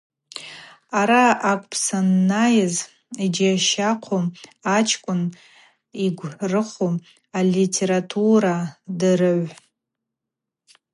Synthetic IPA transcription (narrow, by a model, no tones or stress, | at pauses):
aɾaakʷʼpʰsanːajɪz | id͡ʒiaʃaqʰomat͡ʃʰkʷʼʊn | iɡʷrɨχom | alitʰeɾatʰuɾadɨrɨʕʷ